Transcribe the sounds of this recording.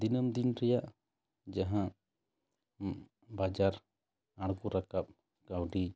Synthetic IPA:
d̪inəmd̪inɾɛjaʔ | d͡ʒaɦã | bad͡ʒaɾ | aɽɡuɾakap̚ | kawɖi

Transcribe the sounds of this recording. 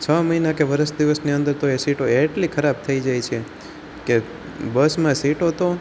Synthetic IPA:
t͡ʃʰəməɦinakeʋəɾəʃd̪iʋəsniə̃nd̪əɾt̪oesiʈoeʈlikʰəɾab̚t̪ʰəid͡ʒajt͡ʃʰe | ke | bəsmãsiʈot̪o

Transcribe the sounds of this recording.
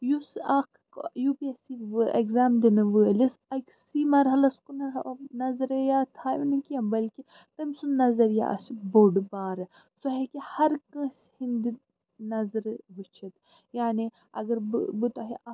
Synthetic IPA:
jusakʰ | jupiɐsiʋekzaːmd̪inɨʋəːlisɐksimɐɾɦɐlɐskunɐnɐzɾejaːt̪ʰaːjʋinikiɐmbɐlki | t̪ɐmsunɐzɐɾja̰ːʔɐ̰siboɖbaːɾɨ | sɐɦekihɐɾkɐ̃ːshind̪i | nɐzɾʋɨt͡ʃʰɐt̪ | jaːni | ɐ̰ɡɐɾbbɨt̪aɦiʔɐ

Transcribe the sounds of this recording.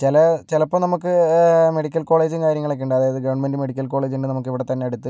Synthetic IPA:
t͡ɕelɐt͡ɕelɐpːomnɐmukːɨme̞ɽikʲːɐlko̞ːɭe̞ːd͡ʑinkaːɾjɐŋːɐɭek̬ːeɳɖɨɐðaːjɐðɨɡɐʋɐɳmendɨme̞ɽikʲːɐlko̞ːɭe̞ːd͡ʑinɖɨnɐmukːiʋiɽet̪ɐnːe̞ɐɽut̪ːɨ

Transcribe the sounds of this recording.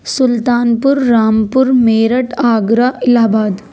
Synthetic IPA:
sʊlt̪aːnpʊɾːaːmpʊɾmeːɾəʈaːɡɾaɪlaːbaːd̪

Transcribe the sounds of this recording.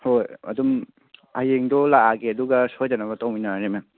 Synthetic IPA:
hojɐ̰dum | ajeŋdɔlaaɡeɐduɡɐsojd͡ʒanɐbɐtɔwminaɾema

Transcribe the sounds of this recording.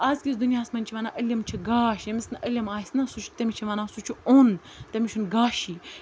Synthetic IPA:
aːzkʲisd̪unʲjaːsmɐnʲt͡ʃʰiʋaːnaːʔɐlʲɐmt͡ʃʰiɡaːʃjɐmʲisnʔɐlʲɐmaːsʲnasut͡ʃʰt̪ɐmʲit͡ʃʰiʋaːnaːsut͡ʃʰuon | t̪ɐmʲiʃʰunɡaːʃiː

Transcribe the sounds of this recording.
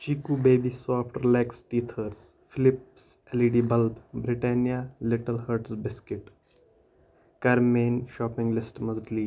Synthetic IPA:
t͡ʃiːkubeːbisɔːfʈɾɪlɛːksʈiːt̪ʰəɾs | fɪlɪpseliɖiːbɐlbbɾɪʈɛːnjalɪʈəlhəɾʈsbɪskɪʈ | kɐɾmeːnʃɔːpɪ̃ŋɡlɪsʈmɐzʈliː

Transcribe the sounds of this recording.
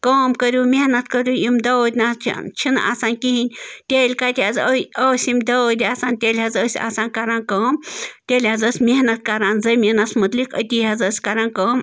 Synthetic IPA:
kɐːmkəɾʲumehnɐt̪kəɾʲujimd̪ɐwd̪ʲna̰t͡ʃʰina̰saːnʲkiɦinʲt̪ʲeːlʲkat̪ʲiazəəːsʲimd̪əd̪ʲiaːsaːnʲt̪ʲeːlʲɦazəːsʲa̰ːsaːnkɐɾaːnkəːmt̪ʲeːlʲazəsʲmʲeɦnɐt̪kɐɾaːnzɐmʲinɐsmɐt̪likə̰t̪ʲiɦazəsʲkɐɾaːnkəːm

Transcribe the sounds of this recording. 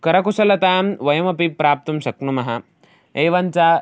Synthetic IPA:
kɐɾɐkusɐlɐt̪aːmʋɐjɐmɐpipːɾaːp̚t̪umʃɐknumɐɦɐ | eːʋɐnt͡saː

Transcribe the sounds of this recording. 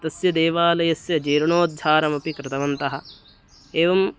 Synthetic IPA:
t̪ɐsjɐd̪eːʋaːlɐjɐsjɐd͡ʒeːɾɐɳoːd̪̚d͡ʒʱaːɾɐmɐpikɾɪt̪ɐʋɐnt̪ɐɦɐ | eːʋɐm

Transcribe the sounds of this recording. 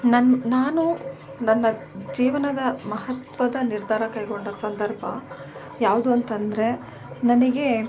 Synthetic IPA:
nɐnnaːnu | nɐnːɐd͡ʒiːʋɐnɐd̪ɐmɐɦɐt̪ʋɐd̪ɐniɾd̪ʱaːɾɐkɐjɡoɳɖɐsɐnd̪ɐɾbʱɐ̰ | jaːʋud̪uɐnt̪ɐnd̪ɾe̞ | nɐniɡe̞

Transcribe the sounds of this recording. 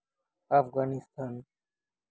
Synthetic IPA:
afɡaːnist̪ʰaːn

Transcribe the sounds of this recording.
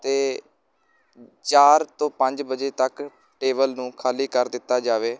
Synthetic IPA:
t̪eː | t͡ʃaːɾt̪õːpə̃ɲd͡ʒbəd͡ʒeːt̪ək | ʈeːbəlnũːkʰaːliːkəɾd̪ɪt̪ːaːd͡ʒaːʋeː

